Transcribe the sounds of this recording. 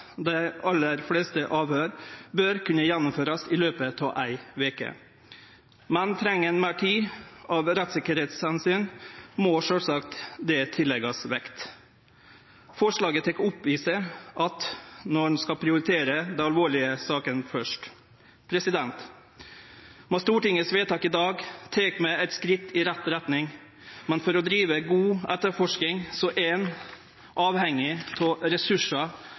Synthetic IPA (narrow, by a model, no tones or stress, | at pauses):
d̪æɪɑlːəɾfleːst̪əʔɑːʋhøːɾbœɾkʰʉnːəjɛnːʊmføːɾɑsɪløːpət̪ʰɑːʔæɪʋeːkə̰ | mɛnt̪ʰɾɛŋːənmæːʈʰiːɑʋɾɛt̪sɪkəɾheːt̪shɛnsyːnmɔʂœlsɑkt̪d̪ɛt̪ʰɪlːɛɡɑsʋɛkt̪ | fɔʂɭɑːɡət̪ʰɛkːʊpʋiːsəʔɑt̪nɔɳ̩skɑpʰɾɪʊɾɪt̪ʰeːɾəd̪ɛnɑlʋoːɭɪəsɑːkənfœʂʈ | pʰɾɛsɪd̪ɛnt̪ | mɔst̪uːʈɪŋəsʋeːt̪ɑːkɪd̪ɑːɡt̪ʰeːkmɛæɛɪt̪skɾɪt̪ːɪɾɛt̪ːɾɛt̪nɪŋ | mɛnfɔɾɔd̪ɾiːʋəɡuːʔɛt̪ːəɾfɔʂkɪŋsɔʔɛn | ʔɑːʋhɛŋːɪt̪ʰɔɾɛsʉʂɑ